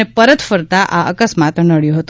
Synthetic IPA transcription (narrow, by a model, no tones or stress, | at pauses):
epəɾət̪fəɾt̪aʔaʔəkəsmat̪nəɭjoɦət̪o